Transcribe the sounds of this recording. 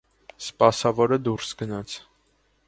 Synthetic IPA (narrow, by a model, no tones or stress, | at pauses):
spɑsɑvɔɾəd̪uɾsɡənɑt͡sʰ